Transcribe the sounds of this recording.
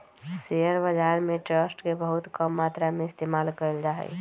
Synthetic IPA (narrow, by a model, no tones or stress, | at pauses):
seəɾbəd͡ʒaɾmeʈɾəsʈkebəɦut̪kəmːat̪ɾameɪst̪emalkəld͡ʒaɦə̰j